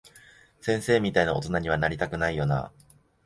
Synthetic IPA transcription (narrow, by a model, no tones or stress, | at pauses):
sẽ̞ɰ̃se̞ːmʲit̪ainao̞t̪o̞naɲ̟iβ̞anaɾʲit̪akɯ̟naijo̞na̰